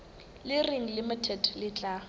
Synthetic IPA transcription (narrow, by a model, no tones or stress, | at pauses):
lɪriŋ̩lɪmɪtʰɛdlɪt͡ɬʼa